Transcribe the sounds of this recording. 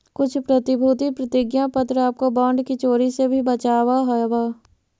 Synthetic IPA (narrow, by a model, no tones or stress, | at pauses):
kʊt͡ʃʰpɾət̪ɪbʱuːt̪ipɾət̪ɪɡjãpət̪ɾaːp̚kobɔ̃ːɳɖkit͡ʃoːɾisebʱibət͡ʃaːwaɦowaː